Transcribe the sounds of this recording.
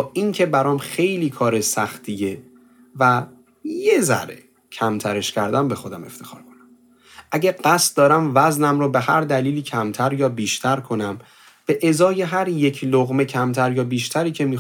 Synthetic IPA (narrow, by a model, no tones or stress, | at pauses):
ʔincʰe̞bæɾɒːmxe̞jliːkʰɒːɾesæxt̪ʰije | væ | jezæ̰ɾḛ | cʰæmt̪ʰæɾe̞ʃcʰæɾd̪æmbe̞xo̞d̪æme̞̰ft̪ʰe̞̥xɒ̰ːɾkʰonæm | ʔæɟeɢæst̪̚d̪ɒːɾæmvæznæmɾobe̞hæɾd̪æliːliːcʰæmt̪ʰæɾjɒːbiːʃt̪ʰæɾkʰo̞næm | b̥e̞ʔezɒːje̞ɦæɾje̞cʰloɣme̞cʰæmt̪ʰæɾjɒːbiːʃt̪ʰæɾiːcʰe̞miː